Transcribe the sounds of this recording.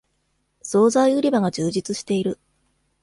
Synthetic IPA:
so̞ːzaiɯ̟ɾʲibaɡad͡ʑɨːʑit͡sɨɕi̥t̪e̞iɾɯ̟

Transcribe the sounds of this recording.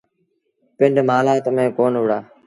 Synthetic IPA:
pɪɳɖmaːlaːt̪əmẽːkoːnɦʊɽaː

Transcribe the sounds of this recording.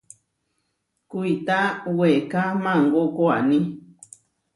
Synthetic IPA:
kuit̪awekamãŋɡokoanĩ

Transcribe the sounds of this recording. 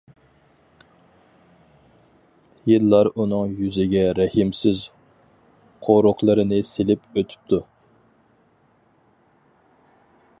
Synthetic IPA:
jɨlːɑɾunɨŋjyzɪɡʲɛɾɛhɪmsɪz | qʰoɾoχlˠɨɾɨnɨselɪpøt̪ʰy̥p̚t̪ʰu

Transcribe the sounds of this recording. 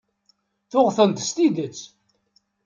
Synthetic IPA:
θʊʁθənt̪st̪id̪ət͡sː

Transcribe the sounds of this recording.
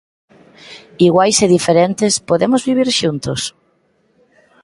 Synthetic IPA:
iɣwajseðifeɾent̪espoðemʊzβiβ̞iɾʃunt̪ʊs

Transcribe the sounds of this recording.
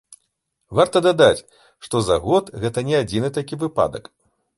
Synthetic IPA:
vart̪ɐd̪ad̪at͡sʲ | ʂt̪ɔza̰ɣɔt̪ɣɛt̪ɐnʲɛad͡zʲinɨt̪akʲivɨpa̰d̪ɐ̰k

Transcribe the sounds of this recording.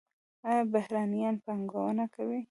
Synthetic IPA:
ɑjɑbahɾɑnijɑnpɑŋɡawənakawi

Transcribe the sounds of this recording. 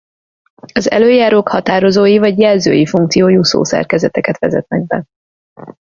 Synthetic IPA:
ɒzɛ̰løːjaːɾoːkhɒt̪aːɾo̞zoːjivɒɟjɛlzø̰ːjifuŋkt̪sijoːjuso̰ːsɛ̰rkɛzɛt̪ɛkɛt̪ʋɛzɛ̰t̪mɛɡ̚bɛ̰

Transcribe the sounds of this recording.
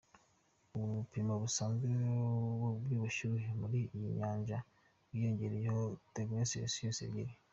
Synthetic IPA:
uβupimaβusaːŋzewobjuːβuʃuɦemuɾijiɲaːɲʒa | wwijo̞ɲɟe̞ɾejehoteɡeesijosijoːsḛɟiɾi

